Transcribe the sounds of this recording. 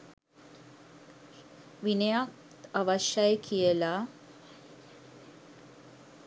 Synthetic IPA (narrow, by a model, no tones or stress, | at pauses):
ʋinejak | t̪aʋaʃjajəkʰijəla